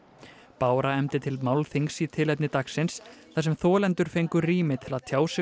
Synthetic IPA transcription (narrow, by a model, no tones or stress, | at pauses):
paːwɾaɛmt̪ɪt̪ʰɪlmaːwlθiŋksit̪ʰɪlɛt̪nɪt̪aksɪnsθas̬ɛmθɔːlɛnt̪ʏɾ̥fejŋkʏriːmɪt̪ʰɪlaðt̪ʰjaːwsɪ